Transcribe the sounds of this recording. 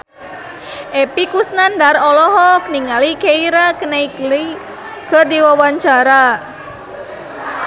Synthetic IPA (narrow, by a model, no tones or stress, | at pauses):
ʔepikusnandarɔlɔɦɔk̚niŋalikeiɾakənaikli | kərdiwawaɲt͡ʃaɾa